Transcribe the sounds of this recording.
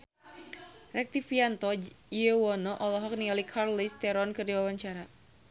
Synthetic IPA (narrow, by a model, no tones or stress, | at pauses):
rɛk̚t̪ifiant̪ɔəwɔnɔʔɔlɔɦɔk̚nialikʰarlist̪ɛɾɔnkərdiwawaɲt͡ʃaɾa